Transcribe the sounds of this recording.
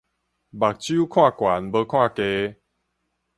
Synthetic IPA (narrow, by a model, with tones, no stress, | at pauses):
ba˨˩k̚t͡ɕju˦kʰwã˥˨kwa˨˦nbə˧kʰwã˥˨ke˧